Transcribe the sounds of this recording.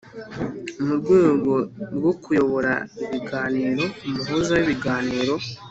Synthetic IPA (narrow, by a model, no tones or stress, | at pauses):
umuɾɡweːɡo̞ɾɡokʰujo̞βo̞ɾaiβiɡaːniːɾo̞umuɦuzawiβiɡaːniːɾo̞